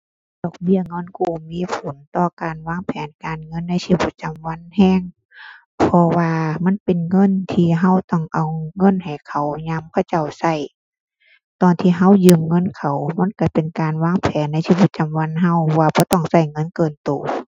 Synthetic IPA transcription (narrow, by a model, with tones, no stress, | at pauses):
d̥ɔː˧˩k̚bi˧˥˩ɐŋɔː˧˥˨nkuː˧˩miː˧˥˨pʰo˨˦nt̪ɔː˧˩kaː˨nwaː˧˥˨ŋpʰɛː˨˦nkaː˨nŋɤ˧˥˨nːa˧˥jsiː˧bu˧˥˦t͡ɕa˨mwa˧˥˨nhɛː˧˥˨ŋ | pʰɔ˧waː˧ma˧˥˨npe˨nŋɤ˧˥˨nt̪ʰiː˧˩ɦa˧˥˨wt̪ɔ˧˩ŋʔa˨˩wŋɤ˧˥˨nha˨˩jkʰa˨˩wɲa˧˥˨mkʰa˧˩wt͡ɕa˧˩wsa˧˩j | t̪ɔː˨˩nt̪ʰiː˧˩ɦa˧˥˨wjɯː˧˨mŋɤ˧˥˨nkʰa˨˩wma˧˥˨nka˧˩pe˨nkaː˨nwaː˧˥˨ŋpʰɛː˨˦nːa˧˥jsiː˧bu˧˦t̪̚t͡ɕa˨mwa˧˥˨nɦa˧˥˨wwaː˧bɔː˧˦t̪ɔ˧˩ŋsa˧˩jŋɤ˧˥˨nkɤː˧˩nt̪oː˨˩